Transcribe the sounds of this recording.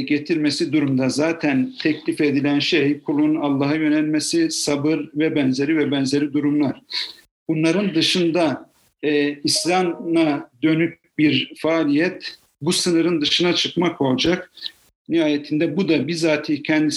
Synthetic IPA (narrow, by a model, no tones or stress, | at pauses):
ɟet̪ʰiɾmesid̪uɾumd̪azaːt̪ʰænt̪ʰɛclʲife̞d̪ilʲænʃejkʰulˠunalˠːaːɦajø̞nɛlʲmesisabɯɾvɛbɛnze̞ɾʲivɛbɛnze̞ɾʲid̪uɾumlˠaɾ̥ | b̥unlˠaɾɯnd̪ɯʃɯnd̪aː | islʲamnad̪ø̞nyp̚ | biɾfaːlʲijɛt̪ | busɯnɯɾɯnd̪ɯʃɯnat͡ʃʰɯkmakʰo̞lˠd͡ʒak | nihaːjet̪ʰind̪ɛbud̪abizaːt̪ʰiːcʰɛnd̪i